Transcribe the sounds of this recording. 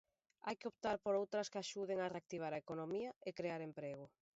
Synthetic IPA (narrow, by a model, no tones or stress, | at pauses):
a̰jkeop̚t̪aɾpoɾowt̪ɾɐskeaʃuðeŋareak̚t̪iβ̞aɾaekonomiɐekɾeaɾempɾeɣ̞ʊ